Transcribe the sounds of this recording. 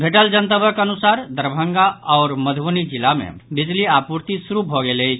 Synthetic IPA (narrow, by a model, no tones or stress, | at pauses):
bʱeʈəld͡ʒənt̪əbʱəkənusaɾd̪əɾbʱəŋɡaɔʊɾməd̪ʱbonid͡ʒilamḛbid͡ʒliapuɾt̪isuɾubʱɔɡeləjt͡ʃʰ